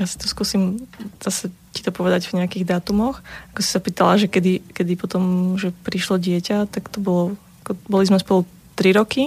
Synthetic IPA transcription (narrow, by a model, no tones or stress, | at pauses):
jasi̥t̪ɔ̥skuːsimz̥asɛ | ci̥t̪ɔpɔʋɛd̪aɟvɲɛakiɣd̪aːt̪umɔxakɔsi̥sapiːt̪alaʒɛkɛd̪ikɛd̪ipɔt̪ɔmʒɛpɾiʃlɔɟɪɛcat̪akt̪ɔbɔlɔ | akɔbɔlizmɛspɔlu | t̪ɾiɾɔki